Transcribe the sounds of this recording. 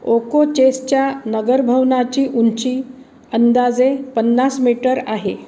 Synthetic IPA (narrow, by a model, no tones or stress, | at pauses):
okot͡ɕest͡ɕjanəɡəɾbʱəʋnat͡ɕiːʔunt͡ɕiː | ənd̪ad͡zepənːasmiʈəɾaɦe